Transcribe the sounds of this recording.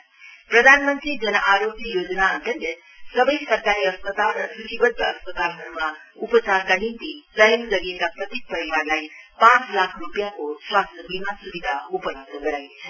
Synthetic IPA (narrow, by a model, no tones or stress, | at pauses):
pɾəd̪ʱanmənt̪ɾid͡ʒənəʔaɾoɡjəjod͡ʒnaənt̪ənd̪e | səbəjsəɾkaɾiəspət̪alɾʌsɾut̪ibəd̪ʱəəspət̪alɦəɾuma | upt͡saɾkanint̪isəɦəmzəɾiekapɾʌt̪ek̚pəɾiʋaɾlajpãt͡slakʰrupjakoswast̪əbimasubid̪ʱaupəloɡ̚d̪ʱəɡəɾajet͡ʃʰə